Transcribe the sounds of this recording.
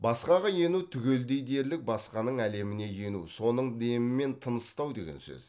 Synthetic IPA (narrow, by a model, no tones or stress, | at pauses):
bɑssqɑʁɑje̞nut̪ʰʏɡʲe̞ld̪e̞jd̪e̞ɾlɪk̚bɑsqɑnəɴæle̞mɪne̞je̞nṵso̞nəɴd̪e̞mɪme̞nt̪ʰənəst̪ɑwd̪e̞̰ɡʲḛnsɵ̰z̥